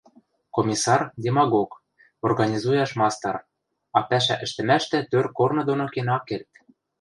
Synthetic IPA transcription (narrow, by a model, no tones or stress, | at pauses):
komʲisɑrdʲemɑɣok | orɣɑnʲizujɑʃmɑst̪ɑ̰r | ɑpæʃ̬æ̰ʔɘ̆ʃt̪ɘ̆mæʃt̪ɘ̆t̪ørkornɤ̆d̪onokenɑkelt̪̚